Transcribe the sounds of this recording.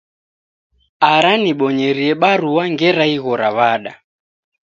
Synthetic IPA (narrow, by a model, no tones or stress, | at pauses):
aɾaniɓɔɲɛɾiɛɓaɾuwaŋɡɛɾaiɣɔɾaβaɗa